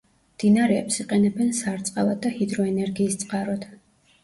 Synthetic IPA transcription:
md̪̥inaɾɛɛpsiqʼɛnɛbɛnsaɾt̪sʼqʼavˠad̪ːahid̪ɾɔɛnɛɾɡiːst̪sʼqʼaɾɔd̪̥

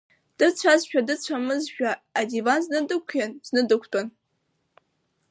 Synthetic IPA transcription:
d̥ɨt͡ɕʷʰazʃᶣadɨt͡ɕʷʰamɨzʒᶣaːdivanznɨdɨkʷʰanz̥nɨdɨkʷʰtʼon

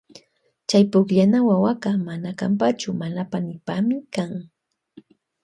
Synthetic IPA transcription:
t͡ʃajpʊkʎanawawaɢɑmanaka̰mpat͡ʃʊmanapanɪpamɪkaŋ

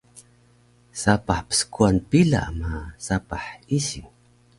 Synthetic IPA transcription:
sapaħpə̥skuanpiɮa̰ʔmasapaħisiŋ

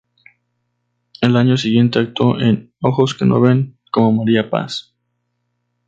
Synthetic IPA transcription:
elaɲo̞s̬iɣje̞nt̪e̞ak̚t̪o̞ʔen | o̞xo̞ske̞no̰βe̞ŋ | ko̞mo̞maɾiapa̰s

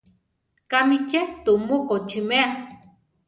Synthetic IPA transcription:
kamicet̪umukot͡ʃʰimea

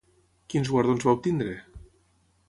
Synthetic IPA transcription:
kinzɣwaɾðonzβaup̚t̪ind̪ɾe

